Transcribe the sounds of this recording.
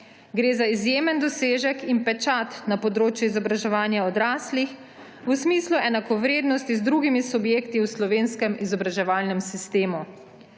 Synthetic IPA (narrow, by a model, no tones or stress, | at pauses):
ɡɾeːzaizjeːmɛnd̪ɔseːʒɛkinpɛt͡ʃat̪napɔd̪ɾoːt͡ʃjuizɔbɾaʒɛʋaːnjaɔd̪ɾaːslix | usmiːsluɛnakɔʋɾeːd̪nɔst̪izd̪ɾuɡimisubjeːkt̪iwslɔʋeːnskɛmizɔbɾaʒɛʋaːlnɛmsist̪eːmu